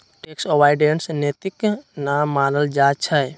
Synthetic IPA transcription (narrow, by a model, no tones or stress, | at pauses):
ʈeːksowaːɪɖensnet̪iknaːmːaːnəld͡ʒaːt͡ʃʰə